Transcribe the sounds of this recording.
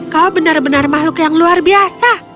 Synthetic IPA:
kawbənarbənarmahlʊkjaŋluarbiasa

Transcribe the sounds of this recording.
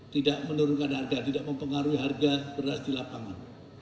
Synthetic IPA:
t̪idaʔmənuɾʊnkanharɡat̪idaʔməmpəŋaɾuiɦarɡabərasdilapaŋan

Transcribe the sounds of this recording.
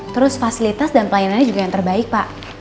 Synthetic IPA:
t̪əɾʊsfasilit̪asdanpəlajananɲad͡ʒuɡajaŋt̪ərbaɪk̚paʔ

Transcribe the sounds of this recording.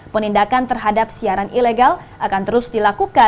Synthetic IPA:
pənindakant̪ərɦadap̚siaɾanʔileɡalʔakant̪əɾʊsdilakuka

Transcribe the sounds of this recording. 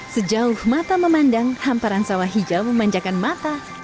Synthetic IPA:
səd͡ʒaʊhmat̪aməmandaŋhampaɾansawaɦid͡ʒaməmaɲd͡ʒakanmat̪a

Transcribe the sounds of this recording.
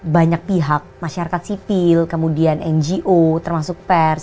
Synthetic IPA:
baɲak̚piɦak̚maʃaɾakat̪̚sifɪlkəmudianʔɛnd͡ʒiʔot̪ərmasʊk̚pɛrs

